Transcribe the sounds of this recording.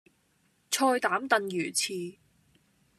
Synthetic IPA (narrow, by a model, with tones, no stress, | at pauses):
t͡sʰɔː˧jt̪aː˨˥mt̪ɐ˨njyː˨˩t͡sʰiː˨˩